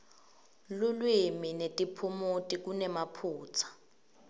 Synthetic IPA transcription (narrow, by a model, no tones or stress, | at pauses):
lulwiminetʼipʰumutʼik̬ʼunɛmapʰuːt͡sʰḁ